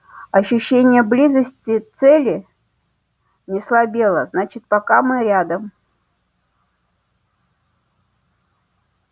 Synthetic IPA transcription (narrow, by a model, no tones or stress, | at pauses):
ɐɕːʉɕːenʲɪjəblʲizəsʲtʲɪt̪sɛlʲɪ | nʲɪslˠɐbʲe̞lˠəznat͡ɕɪt̪̚pɐkamɨɾʲad̪əm